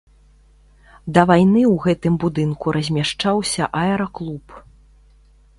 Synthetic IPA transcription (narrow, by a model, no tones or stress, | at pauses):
d̪ɐvajnɨwɣɛt̪ɨmbud̪ɨnkuɾʔɐzʲmʲaʂt͡ʂawsʲɐʔaɛɾɐklˠup